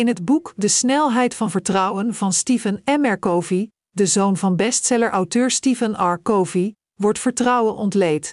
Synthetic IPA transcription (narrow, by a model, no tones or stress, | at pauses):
ɪnɦəd̚bukdəsnɛlˠɦɛjtfɑnvəɹtrʌwənvɑnstivənɛmɛɹkowvi | dəzownvɑnbɛstsɛləɹʔɑwtøːɹstivənɑɹkowvi | ʋɔɹtfəɹtrʌwənʔɔntlejt